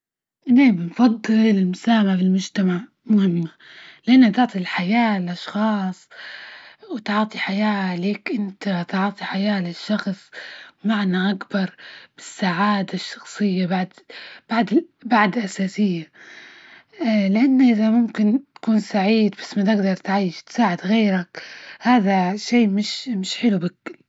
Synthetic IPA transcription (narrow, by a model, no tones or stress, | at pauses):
nabnfɑd̪ˤːɨllɪlmʊsaːmaʕfɪlmʊd͡ʒt̪amaʕ | mʊhɪmːa | lɪʔanːat̪ʊʕt̪ˤilħajaːlʔɑʃxɑːsˤ | wt̪ʕɑːt̪ˤiħajaːleːkʔɪnt̪at̪ʕːt̪ˤiħajaːlɪʃːɑxsˤmaʕnaʔakbɑɾˤb̥ɪsːaʕaːd̪aʃːɑ̥xsˤɨjːabaʕd̪b̥aʕd̪ɪbaʕd̪ɪlʔasaːsɪjːa | lɪʔanːaʔɪðamʊmkɪnt̪ḁkuːnsaʕiːd̪basːmat̪ɪɡd̪ɑɾˤt̪ʕajːɪʃt̪saːʕɪd̪ɣeːɾakhaːðaʃeːmɪʃmɪʃħɪlubakːɪl